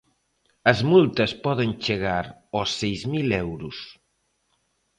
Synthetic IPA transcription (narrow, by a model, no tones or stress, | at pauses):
ɐzmult̪ɐspɔðenʲt͡ʃeɣaɾɔsːejzmilɛwɾus